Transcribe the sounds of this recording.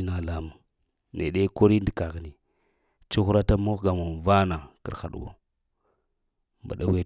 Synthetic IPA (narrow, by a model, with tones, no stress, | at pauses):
i˦na˨la˦ma˨ | nḛ˨ɗe˦ko˦ɾi˦ndi˨ka˨ɣi˨ni˨ | t͡ʃu˦xu˦ɾa˦ta˦mo˦xɡa˨ma˨va˦na˨kḭ˨xa̰˨ɗṵ˨wo̰˨ | mba̰˨ɗa˦we˦